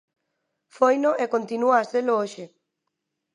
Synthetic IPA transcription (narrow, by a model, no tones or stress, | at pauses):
fojnoʔekont̪inuaːselooʃɪ